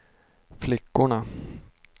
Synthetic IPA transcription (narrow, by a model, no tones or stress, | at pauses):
flɪkːʊɳa